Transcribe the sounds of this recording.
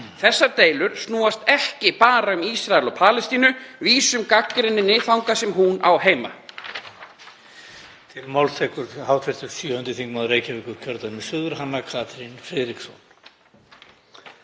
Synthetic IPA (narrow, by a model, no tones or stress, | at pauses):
θɛsːaɾt̪eːjlʏɾ̥snuːast̪ɛhcɪpaːɾaʏmiːsɾaɛlɔpʰaːlɛst̪iːnʏviːsʏmkakːɾɪnːɪnɪːθawŋkasɛmɦuna̰wheːjma̰ | t̪ʰɪlmawlt̪ʰɛkʏɾhaːwt̪ʰfɛst̪ʏɾ̥sjœːhʏnt̪ɪθiŋkmaðɾeːjcavɪːkʏɾ̥cʰœɾt̪anmɪsʏðʏɾ̥ɦanːakʰaːt̪ɾinfɾɪðɾiksɔn̥